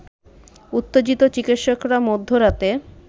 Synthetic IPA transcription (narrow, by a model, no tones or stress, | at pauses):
ut̪ːed͡ʑit̪ot͡ɕikit̪ʃokɾamod̪ʱːoɾat̪e